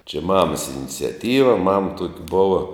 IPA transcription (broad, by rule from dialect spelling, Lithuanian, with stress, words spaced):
t͡ʃʲɛ ˈmɑːmɐs ɪnʲɪt͡sʲɛˈtʲiːʋɐ mɐm tuɔk ˈboːʋɐ